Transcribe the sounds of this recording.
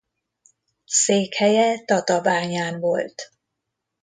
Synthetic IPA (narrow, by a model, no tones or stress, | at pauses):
seːkhɛjɛt̪ɒt̪ɒbaːɲaːnvo̞lt̪